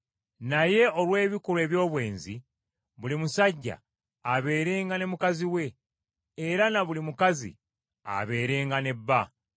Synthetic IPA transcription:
naje̞o̞lwe̞ːβikulwe̞ːβjo̞ːβwe̞ːnzḭ | βulimusaɟːa̰ | aβe̞ːɾeːŋɡane̞mukaziwe̞ː | ɾanaβulimukazḭ | a̰βe̞ːɾe̞ːŋɡane̞bːa

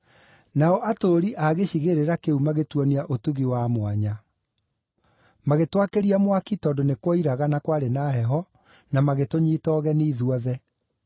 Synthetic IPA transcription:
naɔʔatoɾiʔaɣeɕiɣeɾeɾakeumaɣetwɔniaʔotuɣiwamwaɲa | maɣetwakeɾiamwakitɔːdonekwɔiɾaɣanakwaɾenaːɦɛɦɔ | namaɣetoɲiːtɔːɣɛniːðuɔðɛ

